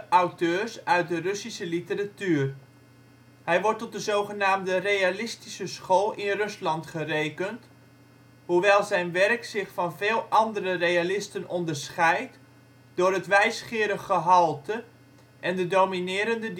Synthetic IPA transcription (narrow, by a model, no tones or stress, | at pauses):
ʔawtøːsœɥt̚dərɵsisəlitəratyːr | hɛjʋɔɹtɔt̚dəzoːwχənaːmdərejalɪstisəsχoːlˠʔɪnrɵslɑntχəreːkənt | huʋɛjlˠzɛjnʋɛrksɪχfɑnveːlˠɑndərərejalɪstənɔndərsχɛjt | dʊːrɦətʋɛjsχɪːəɾəxəɦɑlˠtə | ʔɛndədowminɪːɾəndə